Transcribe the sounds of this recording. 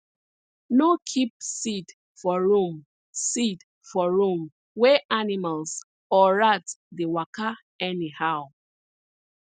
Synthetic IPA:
nokʰip̚sit | fɔɹũm | sit | fɔɹũm | wɛʔanimals | ɔɹatdewaka | ɛnihaʊ

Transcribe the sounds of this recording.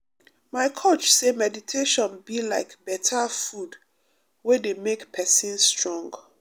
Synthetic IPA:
maɪkʰot͡ʃsemɛditʰeʃɔ̃nbilaɪkbɛtʰafud | wedemekpʰɛsĩnstɹɔ̃ŋɡ

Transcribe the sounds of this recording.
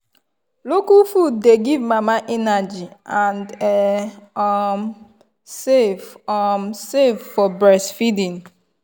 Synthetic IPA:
lokufud̚ːeɡivmamaʔɛnad͡ʒiãndɛɔm | sefɔmsevfɔbɹɛsfidĩn

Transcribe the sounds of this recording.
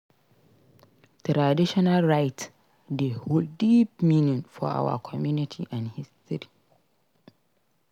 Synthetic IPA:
tʰɾadiʃɔnalɹaɪt | deholdip̚mĩnĩnfɔ̰a̰wa̰kʰɔmjunitʰḭʔãnhistɪɾi

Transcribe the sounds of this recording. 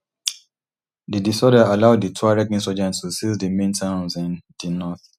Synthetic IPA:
didisɔdaalaʊdditʰɔaɹɛkĩnsɔd͡ʒɛ̃nttʰusisdəmẽntʰãʊ̃nzĩndinɔθ

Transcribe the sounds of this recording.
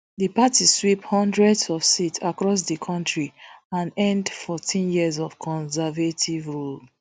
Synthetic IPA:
ðəpatiswiphɔ̃ndɹɛdzɔfsitsakɹɔs̬dəkʰɔ̃ntɹiãnɛ̃ndfɔtʰĩnjiəzɔfkʰɔ̃nsɛvatʰivɹul

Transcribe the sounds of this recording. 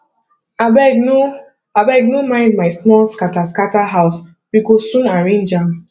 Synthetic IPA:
abɛɡno | abɛɡnomãɪ̃ndmaɪsmɔlskataskataɦaʊs | bikossũnaɹẽnd͡ʒãm

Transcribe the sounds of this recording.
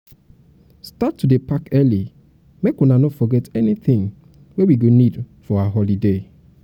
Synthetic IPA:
statːudepakɛli | mekunanofɔɡɛtɛniθɪ̃ŋ | wewiɡonidfɔaaɦɔlide

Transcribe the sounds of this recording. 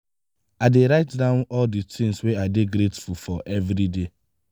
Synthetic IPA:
aɪdeɹaɪtdãʊ̃nɔlditɪ̃ĩŋsweaɪdeɡɾetfufɔʔɛvɾide

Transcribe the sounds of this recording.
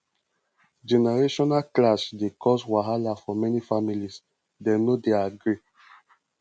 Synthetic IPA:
d͡ʒɛnɛɹeʃɔnaklasdekɔswaɦalafɔmɛnifamilis | dɛnodeaɡɹi

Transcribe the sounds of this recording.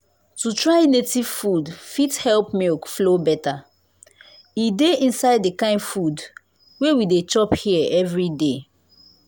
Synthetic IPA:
tutɹaɪnetiv̥fudfithɛlpmekflobɛta | ideĩnsaɪdekãɪ̃ndfud | wewidet͡ʃɔphiɛvɹide

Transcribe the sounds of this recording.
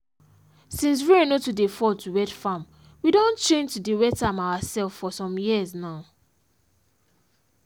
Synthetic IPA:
sĩns̬winotudefɔtʰuwɛtfãm | widõnt͡ʃẽntudewɛtamawasɛlffɔsɔ̃mjiznaʊ

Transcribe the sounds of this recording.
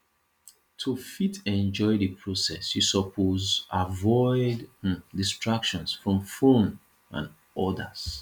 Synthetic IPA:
tʰufitɛ̃nd͡ʒɔɪdɨpʰɹosɛsjusɔpʰozavɔɪdːistɹakʃɔ̃nsfɹɔ̃mfõn | ʔã̰n | ɔdə̰z̥

